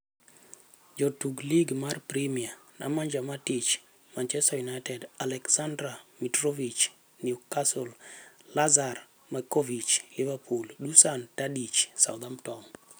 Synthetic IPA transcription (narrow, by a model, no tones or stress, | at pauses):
d͡ʒɔtuɡliɡmarpɾimianʔa̰maɲd͡ʒamatit͡ʃ | mant͡ʃɛstajunajtɛdalɛksandɾamitɾovit͡ʃ | nɪɔkasollazar | makovit͡ʃlɪvapʰulɗusantadit͡ʃsa̰wd̪amtɔm